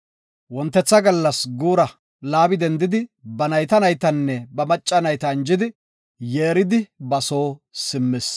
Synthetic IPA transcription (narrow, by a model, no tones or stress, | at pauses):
wɔnt̪ːɛt͡sːɐɡɐlːɐsɡuːɾɐ | laːbɪd̪ɛnd̪ɪd̪ɪbɐnɐjt̪ɐnɐjt̪ɐnːɛbɐmɐt͡ʃʼːɐnɐjt̪ɐnd͡ʒɪd̪ɪ | jeːɾɪd̪ɪbɐso̞ːsɪmːɪs